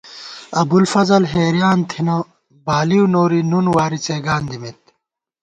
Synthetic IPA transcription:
ɐbulfɐzɐlɦeːɾjaːnt̪ʰino | baːliwnoːɾinunwaːɾit͡seːɡaːnd̪imit̪̚

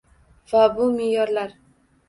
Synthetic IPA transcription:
vabʊmɪjɒɾlaɾ

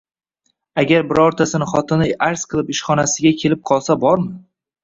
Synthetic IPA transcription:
aɡʲaɾbɪɾɒɾt̪ʰasɪnɪχɒt̪ʰɪnɪjaɾsqʰɨlˠɪpɪʃχɒnasɪɡʲakʲʰe̞lɪp̚qʰɒlˠsabɒɾmɪ

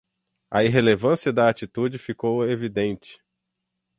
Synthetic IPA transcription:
ɐiɦelevɐ̃siɐd̪ɐːt͡ʃit̪ud͡ʒɪfikowevid̪ẽnt͡ʃɪ̥

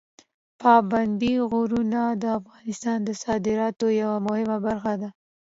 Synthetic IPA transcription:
pɑband̪iɣoɾunad̪əafɣɑnɪst̪ɑnd̪əsɑd̪ɪɾɑt̪ojawamʊhɪmabaɾxad̪a

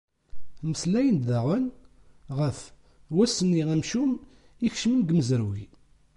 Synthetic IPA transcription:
məslæjənd̪ðæʁənʁəf | wæsənːiʁæmʃum | içʃmənɡməzəɾwi

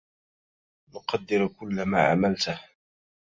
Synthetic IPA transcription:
nʊqɑd̪ːɪɾkʊlːama̰ːʕa̰malt̪h

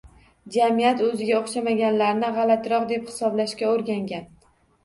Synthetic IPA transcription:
d͡ʒamijat̪ɵzɪɡʲaoχʃamaɡʲanlaɾnɪʁɑlat̪ɾɒqd̪e̞phɪ̥sɒblaʃkʲaoɾɡʲaŋɡʲan

